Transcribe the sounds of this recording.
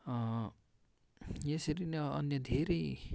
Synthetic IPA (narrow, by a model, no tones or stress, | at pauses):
ʌ | jesʌɾinʌ̰njʌd̪ʱeɾʌj